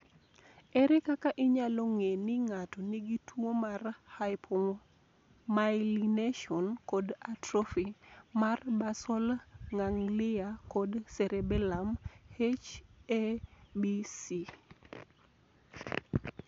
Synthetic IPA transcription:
ɛɾɛkakaʔɪɲaloŋenɪŋatɔniɡitwomarh | majlineʃɔnkodatɾɔfimarbasɔlŋaŋlɪakɔdsɛɾɛbɛlamhet͡ʃebisi

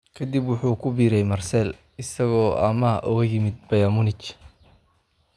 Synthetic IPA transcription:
kʰɐd̪ibwʊħuːkʰʊbiːɾɛjmɐrsɛl | ɪsɐɣɔːɐ̰mɐʔɔːjɪmɪd̪̚bɐjɐmʊnɪt͡ʃ

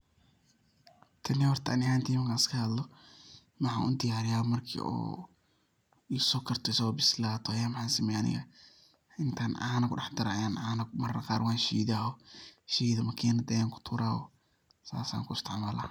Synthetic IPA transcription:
t̪ʰɐniwɐrt̪ʰɐːnɪhaːnt̪ʰijɪmɐŋkʰaːskʰɐhɐd̪lɔ | mɐħa̰ːʔʊ̰d̪ɪjaːɾɪjaːɔmɐrkʰḭɔ̰ː | isɔːkʰɐrt̪ʰɔsɔbɪslaːt̪ʰɔajaːmɐħaːnsɪmɛːjʔɐnɪ̰ɣɐ̰ | ɪnt̪ʰaːnʔa̰nɐkʰʊɖɑħd̪ɐɾɐjaːnaːnɐmɐrɐqɑːɾwaːnʃḭːðaːɔʃiːðɐmɐkʰiːnɐd̪ɐjaːŋkʰʊ̥t̪ʰʊːɾaːɔ̰ | sa̰ːsa̰ːŋkʰʊɪst̪ʰɪʕmaːla̰

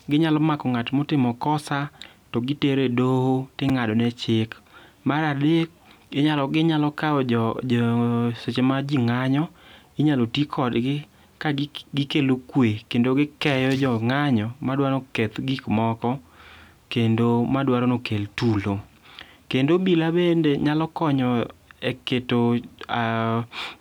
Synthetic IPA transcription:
ɡɪɲalɔmakɔŋatmɔtɪmɔkɔsa | tɔɡɪteɾedohotɪŋadɔnɛt͡ʃɪkmaɾadek̚ | ɪɲalɔɡɪɲalɔkaɔɔ | set͡ʃemad͡ʒiŋaɲɔ | iɲalotikʰɔdɡɪ | kaɡɪkelokwekendoɡɪkɛjɔd͡ʒɔŋaɲɔmadwanoket̪ɡikmɔkɔ | kendomadwaɾonokeltulo | kendobilabendeɲalɔkɔɲɔeketoa

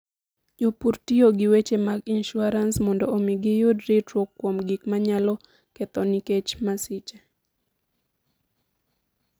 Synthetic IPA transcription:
jopurtioɡɪwet͡ʃemaɡinʃuaɾansmɔndɔomiɡɪjodɾitɾokːwomɡikmaɲalɔ | kɛt̪ɔniket͡ʃmasɪt͡ʃa

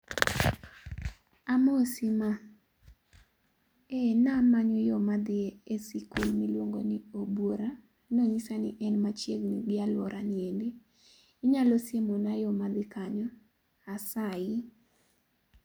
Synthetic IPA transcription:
amosima | enamaɲojɔmad̪ɪesikulmɪlwoŋɡonɪobwoɾa | noɲisanɪʔɛnmat͡ʃjeɡniɡɪalwɔɾʔaniendeː | ɲalosemonajɔmad̪ɪkaɲɔ | asaɪ

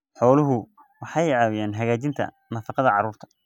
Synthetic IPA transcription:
ħɔːlʊɦʊ | wɑħɑjʕɑːwɪjaːnɦɐɣaːt͡ʃɪnt̪ʰɐ̰ | nɐfɑqɑðɐʕɑɾuːrt̪ʰɐ̥

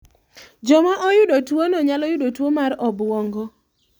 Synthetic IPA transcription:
d͡ʒɔmaʔɔjʊdotwonɔɲalɔjʊdotwomarɔbwɔŋɡɔ

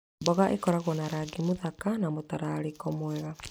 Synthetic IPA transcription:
bɔɣaʔekɔɾaɣɔnaɾaɡimoðakanamotaɾaɾekɔmwɛɣa

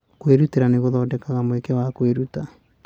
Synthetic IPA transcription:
kweɾuteɾaneɣoðɔːdɛkaɣamoekɛwakweɾuta

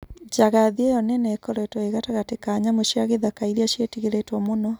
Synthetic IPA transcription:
d͡ʑaɣaðiɛjɔnɛnɛːkɔɾɛtwɔeɣataɣatekaɲamoʃiaɣeðakaiɾiaʃjetiɣeɾetwɔmonɔ

